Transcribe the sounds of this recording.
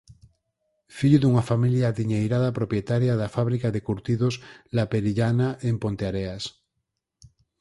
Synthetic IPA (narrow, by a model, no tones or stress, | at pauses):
fiʎuðuŋafamiljaðiɲejɾaðapɾopjet̪aɾjaðafaβ̞ɾikaðekuɾt̪iðoslapeɾiʎanaʔempont̪eaɾeas